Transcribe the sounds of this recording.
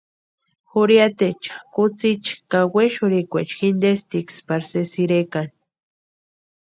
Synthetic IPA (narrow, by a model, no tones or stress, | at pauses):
xuɾjat̪et͡ʃḁkut͡sit͡ʃkaweʃuɾikʷet͡ʃxind̪est̪ikspaɾsesiɾekan